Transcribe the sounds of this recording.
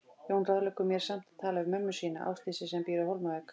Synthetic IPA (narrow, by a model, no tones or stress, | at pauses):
jownraðlɛkʏmjɛɾ̥sam̥t̪t̪ʰːaːlaʏmœmːʏsiːnaʔa̰wst̪iːsɪsɛmpiːɾʏhowlmavɛːk